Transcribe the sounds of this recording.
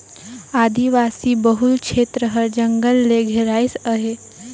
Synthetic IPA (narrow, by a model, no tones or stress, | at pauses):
aːd̪iʋasibəɦulkʃeːt̪ɾəɦəɾd͡ʒəŋɡəlːeɡʱeɾaːjsəɦe